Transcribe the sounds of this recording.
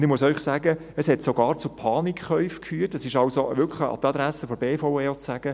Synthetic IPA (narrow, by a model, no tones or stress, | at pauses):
nd̪ɪχmʊsœʏχsæːɡəəshɛtsoɡɑːɾt͡sʊpʰɑːnikχœʏfkfyːɾtəsɪʃɑwsoʋʏkʰχləɑ̰t̪ɑd̪ɾæsəfɔɾb̥eːfoʊeːot͡sːæːɡ̥ə